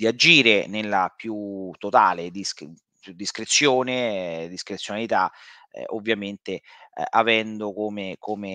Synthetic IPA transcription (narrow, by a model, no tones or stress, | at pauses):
d̪iad͡ʒiːɾenelːapjut̪ːot̪aːled̪is | pud̪ːiskɾet̪sːjoːned̪iskɾet̪sjonalit̪a̰ | ovːjament̪eavɛnd̪okoːmekome